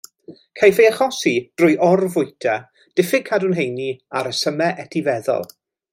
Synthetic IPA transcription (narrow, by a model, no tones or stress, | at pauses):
kʰajfejaχɔsid̥rʊjʔɔrvʊɨtʰa | d̥ɪfɪkʰadunɦejniaɾəsəmɛʔɛtʰivɛðɔ̰lˠ